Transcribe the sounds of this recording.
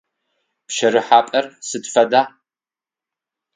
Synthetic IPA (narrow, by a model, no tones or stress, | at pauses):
pʃɐɾɨħaːpʼɐrsɨdfɐdaː